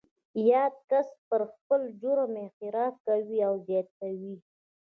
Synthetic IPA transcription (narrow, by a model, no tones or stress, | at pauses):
jɑd̪̚kaspəɾxpəld͡ʒoɾamexɪɾɑfkawiawzjɑt̪̚kawi